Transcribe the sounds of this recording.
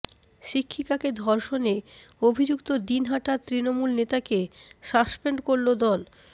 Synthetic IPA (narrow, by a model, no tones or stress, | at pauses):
ʃikʰːikaked̪ʱɔɾʃoneobʱid͡ʑukt̪od̪inɦaʈat̪ɾinomulnet̪akeʃaspeɳɖkoɾlod̪ɔl